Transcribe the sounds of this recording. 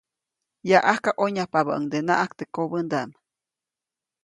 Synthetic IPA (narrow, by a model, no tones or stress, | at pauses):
jaʔahkaʔoɲapabaʔəŋd̪ena̰ʔakt̪ekobənd̪aʔm